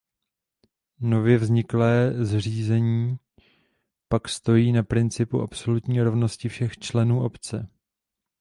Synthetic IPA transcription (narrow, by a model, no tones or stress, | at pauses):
no̞vjɛvzɲɪklɛːzr̝iːzɛɲiː | pakst̪o̞jiːnapɾɪnt͡sɪpuʔapso̞lut̪ɲiːɾo̞vno̞scɪfʃɛxt͡ʃlɛnuːʔo̞pt͡sɛ